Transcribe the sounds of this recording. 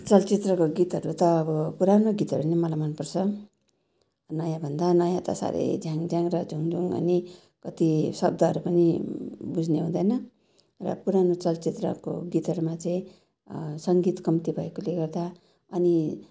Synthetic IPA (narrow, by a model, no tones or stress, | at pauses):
t͡sʌlt͡sit̪rʌkoɡit̪ɦʌɾut̪ʌːbʌpuɾanoɡit̪ɦʌɾunemʌlajmʌnpʌrt͡sʰʌ | nʌjãbʱʌnd̪anʌjãt̪ʌ̰sa̰ɾḛd͡zʱjaŋd͡zʱaŋrʌd͡zʱuŋd͡zʱuŋʌ̰ni | kʌt̪isʌb̚d̪ʱʌːɾupʌnibud͡zʱneɦũd̪ʌjnʌ | rʌ̰puɾanot͡sʌlt͡sit̪rʌ̰ko̰ɡit̪ɦʌɾumat͡sʌĩ | sʌŋɡit̪kʌmt̪ibʱʌekoleɡʌrd̪a | ʌni